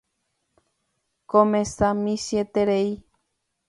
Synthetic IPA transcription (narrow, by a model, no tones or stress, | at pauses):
kõmẽsãmĩsjet̪eɾei